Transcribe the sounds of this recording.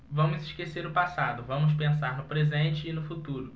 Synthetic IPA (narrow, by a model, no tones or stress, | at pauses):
vɐ̃wmʊzɪʃkeseɾʊpasad̪ʊvɐ̃mʊs̬pẽsaɾnʊpɾezẽnt͡ʃɪːnʊfut̪uɾʊ